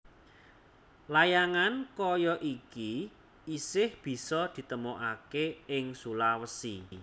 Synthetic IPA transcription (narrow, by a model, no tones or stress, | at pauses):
lajaŋankɔjɔʔiki | isɪhb̥i̤sɔd̪̥i̤t̪əmoʔakeɪŋsulawəsḭ